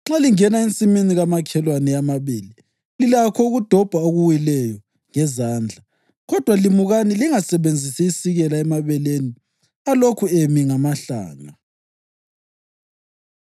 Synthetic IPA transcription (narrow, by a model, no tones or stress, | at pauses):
ŋ͡ǁaliŋɛnaint͡sʼiminiɣamakʰɛlwanɛamaβiːli | lilakʰɔuɣud̥ʱɔb̥ʱaoɣuwilɛjɔ | ŋɛzaːnd͡ɮʱa | ɣɔd̥ʱwalimuɣaniliŋasɛβend͡zʱisiisiɣɛlaɛmaβɛleni | alokʰuemiŋamaɬa̰ːŋa